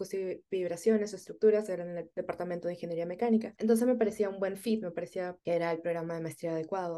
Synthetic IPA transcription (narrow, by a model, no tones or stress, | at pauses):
kust̪ibiβɾasjo̞nesoest̪ɾukt̪uɾaseɾaneld̪e̞paɾt̪ament̪oeĩŋxenje̞ɾiame̞kanikaent̪o̞nse̞zme̞paɾesiaũmbwe̞ɱfit̪me̞paɾesiakeeɾaelpɾoɣɾamaðemaest̪ɾiaːðe̞kwaðo